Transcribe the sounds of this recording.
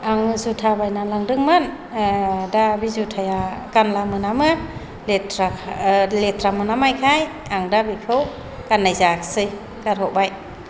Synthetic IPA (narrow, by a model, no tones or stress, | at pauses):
aŋɯzutʰabajnalaŋdɯŋmɯn | dabizutʰajakanlamɯnamɯ | letɾalet̪ʰɾamɯnamajkʰaj | aŋdabikʰɯw | kanːajzḁsɯj | kaɾhɔʔbaj